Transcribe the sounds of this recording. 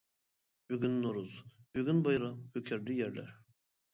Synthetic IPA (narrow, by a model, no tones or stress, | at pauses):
byɡʲynːoɾuzbyɡʲynbajɾahøkʰɛɾd̪ijæɾlʲæ̰ɾ